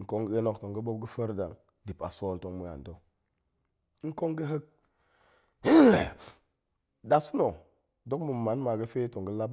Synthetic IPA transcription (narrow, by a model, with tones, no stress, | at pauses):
ŋ̩˨ko˦ŋɡe˦no˦˨kto˨ŋɡə˦bo˦b̚ɡə˦fə˦ɾda˨ŋ | di˨pa̰˨so˦˨lto˦ŋmu˦ja̰˨ndo˦ | ŋ̩˦ko˦ŋɡə˦ɦə˦k̚ | da˨su˦no˨ | do˦kmə˨ma˨˦n˦ma˨ɡə˦fe˦to˨ŋɡə˦la˦b